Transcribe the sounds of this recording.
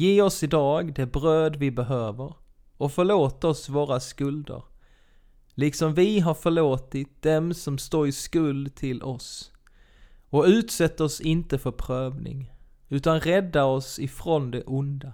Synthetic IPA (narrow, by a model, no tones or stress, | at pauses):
jeːɔsɪd̪ɑːɡd̪ɛbɾøːd̪vɪbɛɦøːvəɾ | ɔfœɭoːt̪aɔsvoːɾaskɵld̪ə̰ɾ | lɪksɔmvɪɦaɾfœɭoːt̪ɪt̪̚d̪̥ɛmsɔmst̪oːɾɪskɵld̪t̪ʰɪlʔɔs | ɔʉ̟ːt̪sɛt̪ːaɔsɪnt̪əfœɾpʰɾøːvnɪ̰ŋ | ʉ̟ːt̪anɾɛd̪ːaɔsɪfɾɔnd̪ɛʔʊnd̪a